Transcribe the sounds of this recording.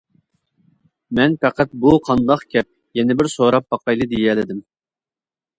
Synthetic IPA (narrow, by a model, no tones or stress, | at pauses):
mɛnpɛqæt̪̚buqʰɑnd̪ɑqkʲʰɛp̚ | jɛnɪbɪɾsoɾɑp̚bɑqʰɑjlˠɨd̪ijɛlɪd̪ɪm